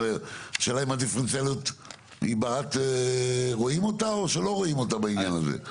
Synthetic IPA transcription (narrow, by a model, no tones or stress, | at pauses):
eʃeːlaimad̪ifʁent͡selut̪ | ḭbaat̪eʁoimotaoʃelo̞ʁoimo̞tabainjanazḛ